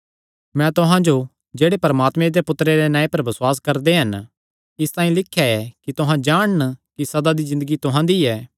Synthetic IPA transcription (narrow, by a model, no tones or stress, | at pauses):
mɛ̃t̪ʊɦãd͡ʒo | d͡ʒeːɽepɐɾɐmaːt̪mẽd̪epʊt̪ɾeɾenãːẽpɐɾbɐswaːs̬kɐɾd̪eɦɐn | ɪst̪ãːĩlɪkʰːjaɛkit̪ʊɦãd͡ʒaːɽ̃nkisɐd̪ad̪izɪ̃nd̪əɡit̪ʊɦãd̪iɛː